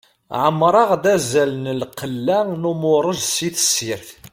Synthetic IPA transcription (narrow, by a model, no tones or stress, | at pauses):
ʕəmːɾˤɑʁd̪æzælnəlqəlːænʊmʊɾˤəʒsiθə̥sːiɾθ